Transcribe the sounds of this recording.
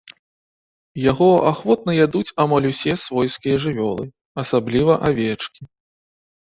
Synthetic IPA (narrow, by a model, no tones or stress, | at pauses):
jaɣɔaxvɔt̪̚nɐjad̪ut͡sʲamalʲusʲɛsvɔjskʲijɐʐɨvʲɔlˠɨ | ɐsablʲivɐʔavʲɛt͡ʂkʲi